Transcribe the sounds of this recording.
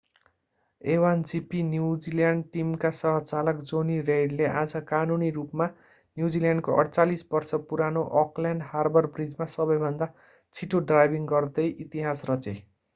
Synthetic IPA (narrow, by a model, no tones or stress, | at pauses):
ewand͡zipinjuwd͡ziljaɳɖʈimkasʌɦʌt͡salʌkd͡zonirejɖleʔad͡zʌkanuniɾupma | njud͡ziljaɳɖkoʔʌ̰ɽt͡salisbʌrsʌpuɾanoʔɔkljaɳɖharbʌrbrid͡zmasʌbʌjbʱʌnd̪a | t͡sʰiʈoɖrajbʱiŋɡʌrd̪ʌjʔit̪iɦasrʌt͡se